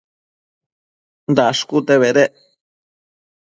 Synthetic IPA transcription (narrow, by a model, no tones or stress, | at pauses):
nd̪aʂkut̪eβeɾeʔ